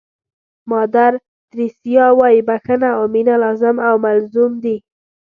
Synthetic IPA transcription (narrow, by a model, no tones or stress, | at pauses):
mɑd̪aɾ | t̪ɾisijɑwɑjibaxənaominalɑzɪmawmalzumd̪i